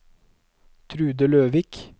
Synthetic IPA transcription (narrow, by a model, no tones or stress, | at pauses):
t̪ʰɾʉːd̪əløːʋɪːk